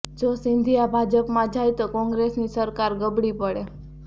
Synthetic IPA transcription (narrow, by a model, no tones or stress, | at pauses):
d͡ʒosɪnd̪ʱijabʱad͡ʒəpmãd͡ʒajt̪okɔ̃ŋɡɾesnisəɾkaɾɡəbɽipəɽe